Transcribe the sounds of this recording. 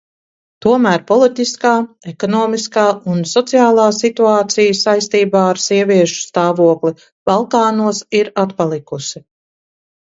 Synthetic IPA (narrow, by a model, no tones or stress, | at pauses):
t̪uɔmæːɾpɔlˠit̪iskaː | ekɔnɔːmiskaːunsɔt̪sijaːlˠaːsit̪uaːt̪sijəsajst̪iːbaːaɾsiɛvʲiɛʃu̥st̪aːvuɔkli | b̥alˠkaːnuɔsiɾat̪palˠikusi